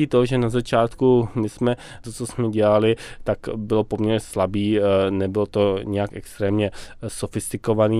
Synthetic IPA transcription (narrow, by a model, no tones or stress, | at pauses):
it̪oʒɛnazat͡ʃaːt̪kumɪsmɛt̪ot͡sosmɛɟɛlalɪt̪akbɪlopo̞mɲɛɾɲɛslabiːnɛbɪlot̪o̞ɲɛjakʔɛ̰kst̪ɾɛːmɲɛsofɪst̪ɪkovaniː